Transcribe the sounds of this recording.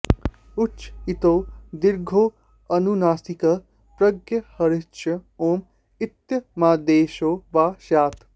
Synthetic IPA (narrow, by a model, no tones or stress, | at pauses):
ut͡ʃit̪oːd̪iɾɡʱoː | ɐnunaːsikɐ | pɾɐɡjɐhɐɾit͡ʃɐoːm | it̪jɐmaːd̪eːʃoːʋaːʃaːt̪